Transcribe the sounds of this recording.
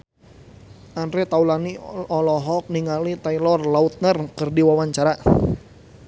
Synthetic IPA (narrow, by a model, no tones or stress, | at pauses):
ʔandɾɛt̪aulaniɔlɔɦɔk̚niŋalit̪ailɔrlaut̪̚nərkərdiwawaɲt͡ʃaɾa